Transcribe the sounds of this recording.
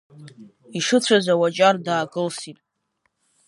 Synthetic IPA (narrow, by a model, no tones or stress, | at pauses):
iʂɨt͡ɕʷʰazawat͡ʃʼardaːɡɨlsitʼ